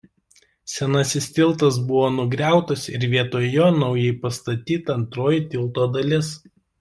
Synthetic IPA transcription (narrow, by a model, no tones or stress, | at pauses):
sʲɛnɐsʲɪsʲt̪ʲɪlˠt̪ɐs̬bʊʋoːnʊɡɾʲæˑʊt̪ɐsɪ̰ɾʋʲiɛt̪oːjoːnɒʊjɛɪpɐst̪ɐt̪ʲiːt̪ɐɐnt̪ɾoːjɪt̪ʲɪlˠt̪oːd̪ɐlʲɪs